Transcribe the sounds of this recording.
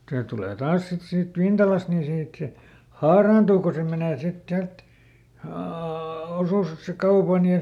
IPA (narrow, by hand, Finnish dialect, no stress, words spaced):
se tuleˑ tɑːs sit siːt ʋintɑlɑst ni siːt se hɑːrɑːntuː ko se meneˑ sit siælt oː osuskɑupɑn jɑ